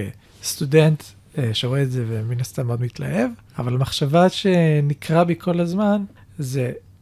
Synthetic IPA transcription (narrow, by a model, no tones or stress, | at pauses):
e | st̪udent̪ | ʃeʁoeːtzeveminast̪amːeo̞d̪mitla̰ʔe̞v | avalamaχʃavaʃenikʁabikʰo̞lazman | ze